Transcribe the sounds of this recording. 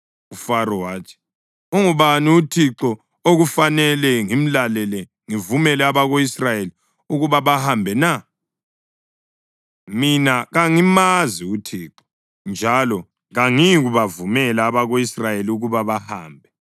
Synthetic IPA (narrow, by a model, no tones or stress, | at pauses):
ufaɾɔwaːtʰi̥ | oŋuβaniutʰiǁɔ | oɣufanɛlɛŋim̩lalɛlɛ | ŋivumɛlɛaβaɣoisrajeli | uɣuβaβahambʱɛna | minaɣaŋimaziutʰiːǁɔ̥ | nd͡ʒʱalɔ | ɣaŋiɣuβavumɛlaːβaɣoisrajeliuɣuβaβahaːmbʱɛ